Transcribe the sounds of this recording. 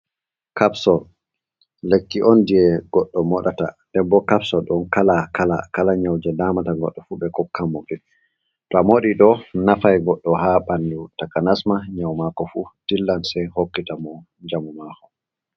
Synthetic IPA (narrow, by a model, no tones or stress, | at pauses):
kapsɔl | lekːiʔɔndijɛɡ̥ɔɗːɔmɔɗata̰ | dɛbɔkapsɔlɗɔnkalakalakalaɲawd͡ʒɛdamataɡɔ̰ɗːɔfuɓɛkɔkʰːamːoɡɛ | tɔamoɗiɗɔnafajɡɔɗːɔɦaɓandutakanasmaɲawmakɔfutilːansɛhokːitamɔ | d͡ʒamumakɔ